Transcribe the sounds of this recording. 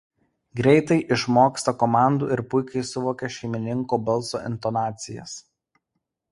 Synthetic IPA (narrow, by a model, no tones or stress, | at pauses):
ɡɾʲɛɪt̪ɐɪʔɪʃmoːkst̪ɐkɔmɑˑnd̪ṵːɪɾpʊɪkɐɪsʊʋoːkʲɛʃʲɛɪmʲɪnʲɪŋkoːbɐlˠso̰ːʔɪ̰nt̪ɔnɑːt̪sʲɪjɛ̰s